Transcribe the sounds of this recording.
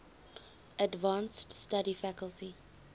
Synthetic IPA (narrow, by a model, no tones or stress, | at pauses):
ədvɑ̃ːnststaɾifækəlˠtʰi